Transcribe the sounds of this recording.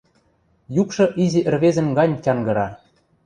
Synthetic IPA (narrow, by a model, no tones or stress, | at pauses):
jukʃɤ̆ʔizʲiʔɘ̆rβezɘ̆nɡɑnʲtʲɑŋɡɤ̆ɾɑ